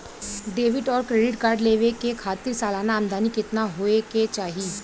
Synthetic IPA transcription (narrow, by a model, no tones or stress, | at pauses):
ɖeːʋɪʈɔːɾkɾeːɖɪʈkaːɾɖleːʋekekʰaːt̪ɪɾsaːlaːnaːmd̪aːnikɪt̪naɦoːeket͡ʃaːɦieː